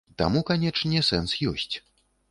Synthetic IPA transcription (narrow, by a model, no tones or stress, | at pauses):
t̪a̰mukanʲɛt͡ʂnʲɛsɛnsjɔ̰sʲt͡sʲ